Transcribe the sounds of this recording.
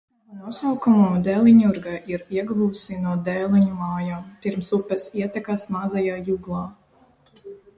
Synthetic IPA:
nuɔsawkumɔːd̪ɛːlˠiɲuɾɡaʔiɾiɛɡbuːsinuɔd̪ɛːlˠiɲulaːjaːmpiɾmsupːɛsiɛt̪ɛkasmazajaːjuɡlˠaː

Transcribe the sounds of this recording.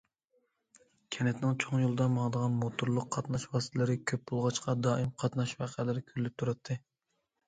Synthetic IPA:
kʲʰɛnɛt̪nɪŋt͡ʃʰoŋjolˠɨd̪ɑmɑŋd̪əʁɑnmot̪ʰuɾlˠʊqʰːɑt̪nɑʃwɑst̪ʰɛlɪɾɪkʲʰøp̚bolˠʁɑt͡ʃqɑd̪ɑːimqʰɑt̪nɑʃwɑqʰælɪɾɪkʲʰyɾlɪp̚t̪ʰuɾɑt̪ʰːɨ

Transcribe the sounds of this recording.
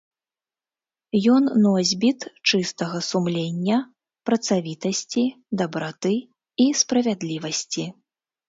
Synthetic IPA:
jɔnːɔzʲbʲit̪t͡ʂɨst̪ɐɣɐsumlʲenʲːɐ | pɾɐt̪savʲit̪ɐsʲt͡sʲi | d̪ɐbɾat̪ɨ | ispɾɐvʲad̪lʲivɐsʲt͡sʲi

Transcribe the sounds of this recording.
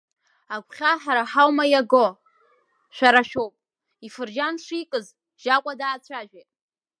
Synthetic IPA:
aɡʷʰχʲaħaɾaħawmajaɡo | ʃᶣaɾaʃᶣowpʼ | ifɨrd͡ʒanʂikʼɨz | ʒ̥akʷʼadaːt͡sʷʰaʒᶣetʼ

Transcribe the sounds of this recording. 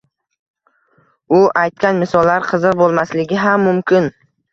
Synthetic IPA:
ʊʔajt̪̚kʲanmɪsɒlːaɾqʰɨzɨqbolˠmaslɪɡʲɪɦamːʊmkʲʰɪn

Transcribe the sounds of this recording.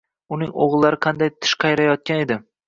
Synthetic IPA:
ʊnɪŋo̰ʁlˠːaɾɪqʰɑnd̪ajt̪ʰɪ̥ʃqʰɑjɾajɒt̪̚kʲane̞d̪ɪ

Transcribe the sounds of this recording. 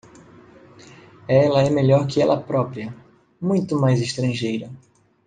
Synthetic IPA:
ɛlɐɛmeʎɔɾkɪɛlʔɐpɾɔpɾiɐ | mũj̃t̪ʊmajzɪst̪ɾɐ̃ʒejɾɐ

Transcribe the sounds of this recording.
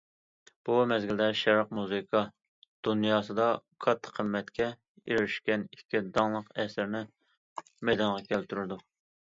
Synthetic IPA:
b̥umɛzɡʲild̪ɛʃɛɾɑqmuzɨkʰɑ | d̪̥unjɑːsɨd̪ɑkʰɑt̪ʰːə̥qʰəmːɛt̪kʲʰɛ | iɾɪʃkʲɛnikʲʰːid̪ɑŋlˠəqɛsɪɾnɪ | mɛjd̪ɑnʁɑkʲʰɛlt̪ʰyɾɪd̪u

